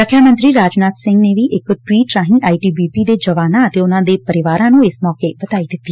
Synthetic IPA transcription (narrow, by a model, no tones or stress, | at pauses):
əkʰːjaːmənt̪ɾiːɾaːd͡ʒnaːt̪sɪ̃ŋɡneːʋiːʔɪkʈwiːʈɾãːɦĩːʔaːiːʈiːbiːpiːd̪eːd͡ʒəʋaːnãːət̪eːʊnãːd̪eːpəɾɪʋaːɾãːnũːɪsmɔːkeːbət̪aːiːd̪ɪt̪ːiː